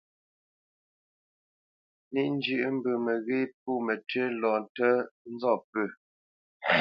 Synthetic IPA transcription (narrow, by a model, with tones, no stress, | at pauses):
ni˦ʔn̩˦d͡ʒʉ˨ʔm̩˦bʉ˨mɛ˨ɣe˦p̚uː˦˨mɛ˨tɥe˦lɔ̃ː˨n˨tə˦n̩˦zɔ˦˨pʉ˨